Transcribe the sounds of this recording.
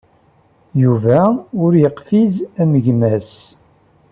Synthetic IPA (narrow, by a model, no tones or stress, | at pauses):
juvæʊɾjəqfizæməʝmæs